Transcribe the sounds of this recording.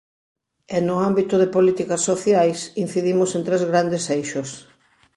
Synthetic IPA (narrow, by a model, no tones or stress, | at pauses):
enʊambit̪ʊðɪpolit̪ikɐsːoθjajsin̟θiðimʊsẽnt̪ɾezɣɾand̪esejʃʊs